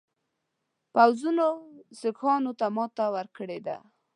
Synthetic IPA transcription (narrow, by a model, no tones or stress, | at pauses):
pawzunosɪkɑnot̪amɑt̪awəɾkəɽed̪a̰